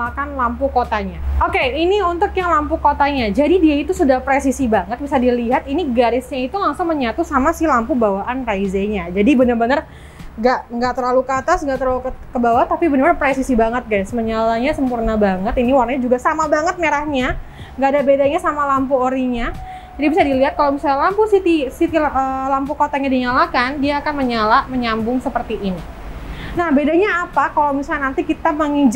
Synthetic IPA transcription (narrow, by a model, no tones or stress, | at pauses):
akanlampukot̪aɲaokeiniunt̪ʊkjaŋlampukot̪aɲad͡ʒadidiait̪usudahpɾesisibaŋət̪̚bisadiliɦat̪̚iniɡaɾɪsɲait̪ulaŋsʊŋməɲat̪usamasilampubawaʔanraizeɲad͡ʒadibənərbənər | ɡaʔŋɡaʔt̪ərlalukat̪asŋɡaʔt̪ərlalukkəbawat̪apibənəɾrbpɾesisibaŋət̪̚ɡasməɲalaɲasəmpurnabaŋət̪iniwarnaɲad͡ʒuɡasamabaŋət̪̚meɾahɲa | ŋɡaːdabedaɲasamalampuoɾiɲa | d͡ʒadibisadiliɦat̪̚kalawmisalampusit̪isit̪iləlampukot̪aɲadiɲalakandiaːkanməɲalaməɲambʊŋsəpərt̪iʔːni | nahbedaɲaːpakalawmisaanant̪ikit̪aməŋid͡ʒ